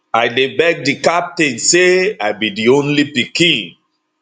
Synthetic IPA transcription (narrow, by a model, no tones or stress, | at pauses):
aɪdebɛɡ̚dikap̚tĩnseaɪjbidiõnlipikĩn